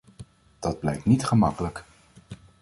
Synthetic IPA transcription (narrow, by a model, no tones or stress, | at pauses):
d̥ɑd̚blɛjk̚tnitχəmɑkələk